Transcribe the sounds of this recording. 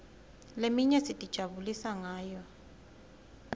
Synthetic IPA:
lemiɲɛsitʼid̥ʒ̥ʱaβulisaŋaːjɔ

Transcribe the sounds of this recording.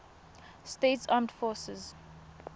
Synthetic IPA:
stetsãmdfɔːsɪz

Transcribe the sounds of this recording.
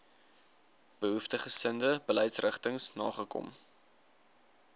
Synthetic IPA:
b̥əɦuftəχəsəndəbələjtsrəχtəŋsnɑːχəkɔ̰m

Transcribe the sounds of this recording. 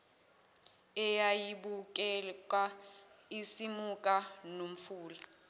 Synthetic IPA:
ɛjajiɓuk̬ʼɛk̬ʼaisimukʼanom̩fuːla

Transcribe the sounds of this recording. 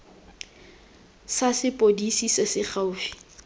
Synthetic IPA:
sasɪpʼodisisɪsɪχaʊːfi̥

